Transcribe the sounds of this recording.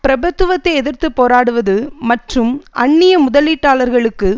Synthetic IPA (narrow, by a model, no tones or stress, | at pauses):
pɪɾɐbɐt̪ːɯʋɐt̪ːɐɪɛðɪɾt̪ɯpːoːɾaːɽɯʋɐðɯmɐʈrɯmʔɐɳːɪjɐmʊðɐliːʈːaːlɐɾɣɐɭɯkːɯ